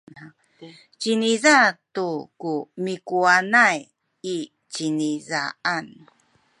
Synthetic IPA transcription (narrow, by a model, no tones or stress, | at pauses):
t͡ɕinizatukumikuanaj | i | t͡ɕiniza̰an